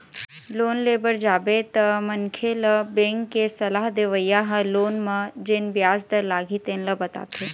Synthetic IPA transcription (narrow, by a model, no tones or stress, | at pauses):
loːnleːbəɾd͡ʒaːbet̪əmənkʰeləbẽŋkːesɐlaːɦd̪eʋəjaɦəloːnmɐ̃d͡ʒenbjaːzd̪əɾlaːɡʱit̪eːnləbɐt̪a̰ːt̪ʰeː